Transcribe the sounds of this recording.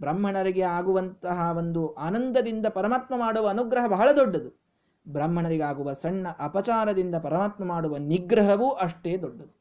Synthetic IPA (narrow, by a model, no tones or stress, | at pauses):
bɾɐmɦɐɳɐɾiɡeaːɡuʋɐnt̪ɐɦɐʋo̞nd̪uʔaːnɐnd̪ɐd̪ind̪ɐpɐɾɐmaːt̪mɐmaːɽuʋɐːnuɡɾɐɦɐbɐɦɐɭɐd̪oɖːɐd̪u | bɾɐmɦɐɳɐɾiɡeaːɡuʋɐsɐɳːɐʔɐpɐt͡ʃaːɾɐd̪ind̪ɐpɐɾɐmaːt̪mɐmaːɽuʋɐniɡɾɐɦɐʋuʔɐʂʈe̞ːd̪oɖːɐd̪u